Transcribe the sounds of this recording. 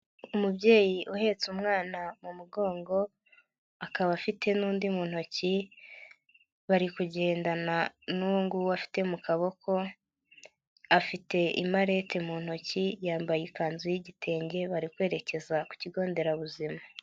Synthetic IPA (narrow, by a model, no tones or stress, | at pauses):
umubɟe̞ːjiʔuhe̞t͡sumŋaːnamumuɡo̞ːŋɡo̞ | akaβafitʰe̞nuːndimuːn̥ho̞ci | βaɾikuɟe̞ːndananuːŋɡuwafi̥te̞mukaβo̞kʰo̞ | afite̞ḭmaɾe̞te̞muːn̥ho̞cijaːmbajekaːnzujiɟitʰe̞ːɲɡe̞βaɾikwe̞ːɾe̞ce̞zaku̥ciɡo̞ːnde̞ɾaβuzima